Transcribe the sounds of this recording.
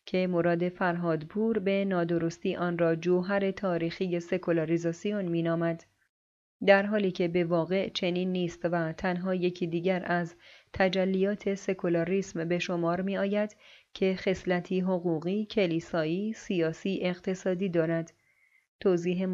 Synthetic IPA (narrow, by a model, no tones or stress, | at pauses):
cʰe̞moɾɒːd̪e̞fæɾɦɒːd̪pʰuːɾbe̞nɒːd̪o̞ɾost̪iːʔɒːnɾɒːd͡ʒoːɦæɾe̞t̪ʰɒːɾiːxije̞se̞kʰolɒɾizɒsijonmiːnɒːmæd̪̥ | d̪æɾɦɒːliːcʰe̞be̞vɒːɣe̞ʔt͡ʃʰe̞niːnːiːst̪væt̪ʰænɦɒːje̞cʰiːd̪iːɟæɾæzt̪ʰæd͡ʒælːijɒːt̪ʰe̞se̞kʰolɒɾiːsmbe̞ʃo̞mɒːɾmiːɒːjæd̪cʰe̞χe̞slæt̪ʰiːɦoɣuːɣiːcʰe̞liːsɒːiːsijɒːsiːʔe̞ɣt̪ʰe̞sɒːd̪iːd̪ɒːɾæd̪ | t̪ʰoːziːɦe